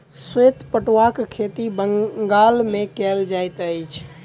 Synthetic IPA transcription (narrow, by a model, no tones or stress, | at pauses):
swet̪pəʈwakkʰet̪ibəŋɡalmẽkɛld͡ʒajt̪əjt͡ʃʰ